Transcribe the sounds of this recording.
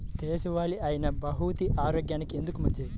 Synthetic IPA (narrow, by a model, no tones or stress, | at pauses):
t̪eːsuʋaːliaːjɐnɐbɐɦut̪iʔaːɾoːɡjaːnikie̞nd̪ukumɐd̪jɐ